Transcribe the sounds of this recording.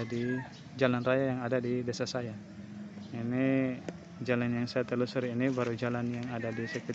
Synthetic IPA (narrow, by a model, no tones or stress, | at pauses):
di | d͡ʒalanrajajaŋadadideasasaja | ini | d͡ʒalanjaŋsajat̪əlusəɾinibaɾud͡ʒalanjaŋadadisɛku